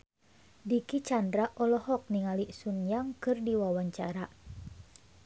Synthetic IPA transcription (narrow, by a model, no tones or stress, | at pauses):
dikit͡ʃandɾaʔɔlɔhɔk̚niŋaliʔsunjaŋkɨrdiwawaɲt͡ʃaɾa